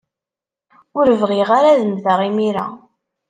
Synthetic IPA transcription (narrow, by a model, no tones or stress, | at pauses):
ʊɾəvʁiʁaɾaðəmθəʁimiɾa̰